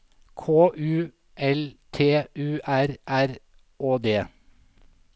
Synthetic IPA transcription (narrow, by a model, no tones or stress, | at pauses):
kʰoːʔʉː | ʔɛlt̪ʰeːʔʉːʔæɾʔæɾ | ʔoːd̪eː